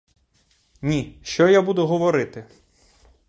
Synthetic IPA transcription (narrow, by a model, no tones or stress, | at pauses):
nʲiʃt͡ʃɔjabud̪ʊɦɔʋɔɾɪt̪ɪ